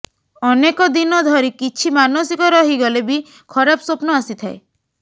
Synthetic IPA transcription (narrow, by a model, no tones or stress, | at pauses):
ɔnekɔd̪inɔd̪ʱɔɾikit͡ʃʰimanosikɔɾɔɦiɡɔlebi | kʰɔɾapɔsopnɔasit̪ʰae